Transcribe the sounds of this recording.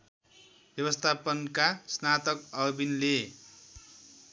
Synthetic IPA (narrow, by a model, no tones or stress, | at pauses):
b̥jʌβʌst̪ʰapʌnkasnat̪ʌkʌbinle